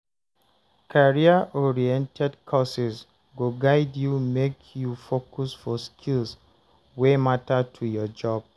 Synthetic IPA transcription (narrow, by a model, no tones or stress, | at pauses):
kʰaɹiaʔɔɹiɛ̃ntʰɛdkʰɔsɛs | ɡoɡaɪdjumekʰjufokusfɔskʰils | wematatʰujɔd͡ʒɔb̥̚